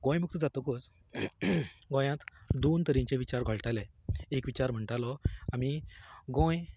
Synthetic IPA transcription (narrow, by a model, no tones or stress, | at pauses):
ɡɔ̃jmuk̚t̪əd͡zat̪ɔkos | ɡɔ̃jãt̪d̪ont̪əɾĩɲt͡ɕeʋit͡ɕaɾɡʱɔɭʈalɛ̃ | ekʋit͡ɕaɾm̤əɳʈalɔamiɡɔ̃j